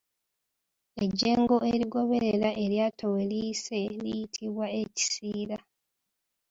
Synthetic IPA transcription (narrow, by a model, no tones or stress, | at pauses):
e̞ɟːeːŋɡo̞eɾiɡo̞βe̞ɾeɾaʔe̞ɾjaːtʰowelise̞lḭjitʰiβwae̞ci̥siːɾa